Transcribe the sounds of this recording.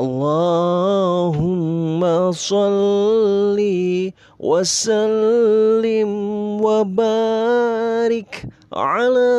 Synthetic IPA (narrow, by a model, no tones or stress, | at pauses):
ʔɑlˤːaː | ɦʊmːasˤɑlː | iː | wʔasalː | ɪmwabaː | ɾɪk | ʕalaː